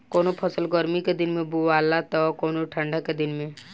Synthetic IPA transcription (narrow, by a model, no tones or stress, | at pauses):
koːnopʰɐsəlɡɔɾmiked̪ɪnmẽbuʋaːlat̪ɔkoːnoʈʰə̃ɳɖʱaked̪ɪnmẽ